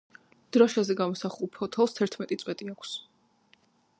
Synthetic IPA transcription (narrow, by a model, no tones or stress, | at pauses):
d̪̥ɾɔʃazɛɡamɔsaχulˠpʰɔt̪ʰɛlˠst̪ʰɛɾt̪ʰmɛt̪ʼit̪sʼwɛt̪ʼiakʷʰs